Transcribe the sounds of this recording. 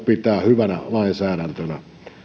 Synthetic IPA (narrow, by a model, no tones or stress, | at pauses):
pit̪æːhyʋænæ̰lɑinsæːɾænt̪ønæ